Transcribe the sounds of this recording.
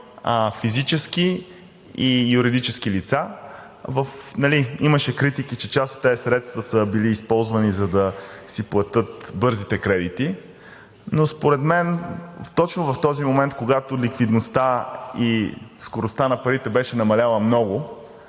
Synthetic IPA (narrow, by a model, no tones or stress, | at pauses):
əfizit͡ʃɛski | ijuɾid̪it͡ʃɛsk̟ilit̪sa | vəfnɐliiməʃɛkɾit̪ikit͡ʃɛt͡ʃast̪o̥t̪ːɛsɾɛt̪st̪vəsəbiliːspɔlˠzvɐnizɐd̪ɐsiplˠɐt̪ɤt̪bɤɾzit̪ɛkɾɛd̪it̪i | nospoɾɛt̪mɛnft̪ɔt͡ʃnovɐft̪ɔzimomɛnt̪̚koɡat̪ʊlikvid̪nost̪aiskoɾost̪anɐpɐɾit̪ɛbɛʃɛnɐmɐlʲalˠəmnɔɡʊ